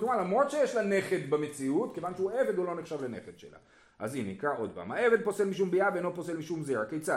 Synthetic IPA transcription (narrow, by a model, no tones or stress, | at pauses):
komalamʁo̞d̪ʃejeʃlane̞χed̪bemet͡siutke̞vanʃeue̞ved̪o̞lo̞neχʃavlene̞χed̥̪ʃḛla̰ | ʔa̰zinikʁaʔo̞d̪̚pa̰ːmae̞ved̪̚po̞selmiʃumbiaveenlopose̞lmiʃumzeakejt͡sa